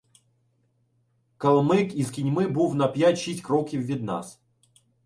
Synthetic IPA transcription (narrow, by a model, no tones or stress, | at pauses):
kɐlˠmɨkizkʲɪnʲmɨbuvnɐpjat͡ɕitʲkɾɔkʲivːʲɪd̪na̰s